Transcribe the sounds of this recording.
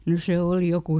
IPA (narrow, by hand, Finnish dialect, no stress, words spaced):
no se oˑli joku